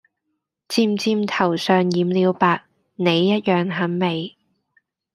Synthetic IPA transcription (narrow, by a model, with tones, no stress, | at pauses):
t͡siː˧mt͡siː˧mt̪ʰɐ˨˩wsœː˨ŋjiː˨˥mliː˨˧wpaː˧k̚ | ne˨˧jːɐ˥t̚jœː˨ŋɦɐ˨˥nme˨j